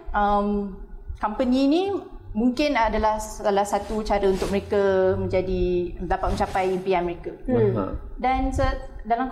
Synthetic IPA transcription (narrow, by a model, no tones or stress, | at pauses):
əmkampəninĩmuŋkɪnadalahsalahsat̪ut͡ʃaɾəunt̪ʊk̚məɾekamə̃ɲd͡ʒadidapat̪̚mə̃ɲt͡ʃapajimpianməɾeka̰ | dansədalam